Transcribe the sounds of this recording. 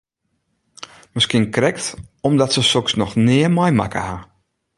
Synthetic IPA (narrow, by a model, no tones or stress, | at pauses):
məskiənkrɛktɔmdɔtsəsoksnɔxnɪəmɔjma̰kʰə̰ha